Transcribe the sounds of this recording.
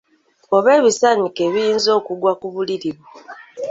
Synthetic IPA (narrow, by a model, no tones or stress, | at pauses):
oβe̞ːβisaɲikeβijiːnzo̞ːkuɡwakuβuliɾiβwu